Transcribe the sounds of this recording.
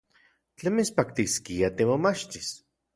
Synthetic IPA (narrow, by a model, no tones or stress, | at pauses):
t͡ɬemispakt̪iskiat̪emomat͡ʃt̪is